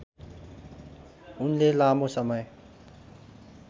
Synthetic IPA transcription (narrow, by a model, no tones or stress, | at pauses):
unlelamosʌmʌj